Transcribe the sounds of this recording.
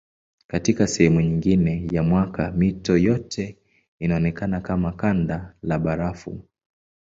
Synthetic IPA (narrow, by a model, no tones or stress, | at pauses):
katikasɛhɛmuɲiŋɡinɛjamwakamitɔjɔtʰɛ | inaɔnɛkanakamakandalaɓaɾafṵ